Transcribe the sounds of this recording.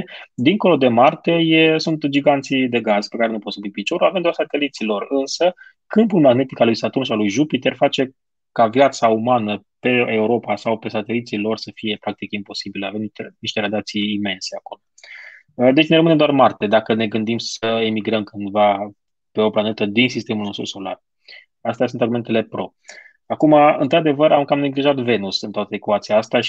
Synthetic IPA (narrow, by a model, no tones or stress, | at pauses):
d̪iŋko̞lo̞d̪e̞mart̪e̞jesunt̪d͡ʒiɡant̪sid̪e̞ɡaz̥pe̞kaɾe̞nuposubipit͡ʃo̞ɾulavemd̪eaɾsat̪e̞lit̪silo̞rɨnsə | kɨmpulmaɡne̞t̪ikalujsat̪unʃialujʒupit̪erfat͡ʃe̞ | kavjat̪saumanəpe̞euɾo̞pasawpe̞sat̪e̞lit̪silo̞rsəfije̞pɾak̚t̪ikimpo̞sibileave̞mnit̪eniʃt̪eɾad̪at̪sijːme̞nse̞ako̞lo | d̪e̞t͡ʃʲne̞ɾəmɨned̪oarmart̪e̞d̪akəne̞ɡɨnd̪imsəemiɡɾəmkɨnd̪va | pe̞o̞planet̪əd̪insist̪e̞mulno̞st̪ɾuso̞la̰r | ast̪easunt̪arɡume̞nt̪e̞le̞pɾo̞ | akumaɨ̰nt̪ɾad̪e̞vəɾamkamne̞ɡliʒat̪ve̞nusɨnt̪oat̪əekuat̪siaast̪eaʃ